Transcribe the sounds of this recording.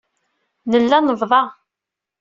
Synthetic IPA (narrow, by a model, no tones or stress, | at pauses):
nəlːænəvðˤɑ